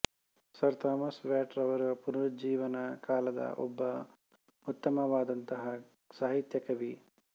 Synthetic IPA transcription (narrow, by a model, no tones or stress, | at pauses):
sɐɾt̪aːmɐsʋaːʈɾɐʋɐɾupuɾɐɾɐd͡ʒiːʋɐnɐkaːlɐd̪ɐ̰ʔɔ̰bːɐ | ut̪ːɐmɐʋaːd̪ɐnt̪ɐɦɐ | saːɦit̪jɐkɐʋi